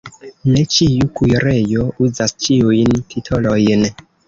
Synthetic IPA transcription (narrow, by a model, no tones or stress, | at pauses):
ne̞t͡ʃiukujɾe̞jo̞uzast͡ʃiujntʰitʰolojn